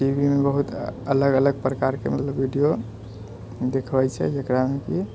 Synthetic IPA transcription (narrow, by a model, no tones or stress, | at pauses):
ʈibʱimebəɦut̪ələɡələɡ̚pɾəkaɾkemət̪ləbːʱiɖijo | d̪ekʰbɛjt͡ʃʰɛ̰d͡ʒəkɾameki